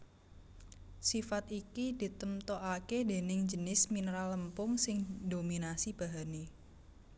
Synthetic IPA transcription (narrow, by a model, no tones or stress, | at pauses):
sifat̪ikid̪̥i̤t̪əmt̪oʔakede̤nɪŋd͡ʒənɪsminɾaləmpʊŋsɪŋdominasib̥a̤ɦane